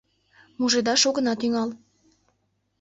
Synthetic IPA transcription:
muʒed̪ɑʃoɣə̆nɑt̪yŋɑl

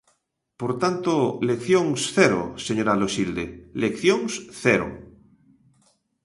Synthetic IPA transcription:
poɾt̪ant̪olekθjoŋsθɛɾo̰seɲoɾaloʃild̪elekθjoŋsθɛɾo̰

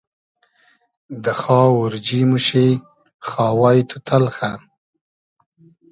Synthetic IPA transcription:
d̪əxɑːʊɾd͡ʒimuʃe | xɑːwɑjt̪ʰut̪ʰalxa

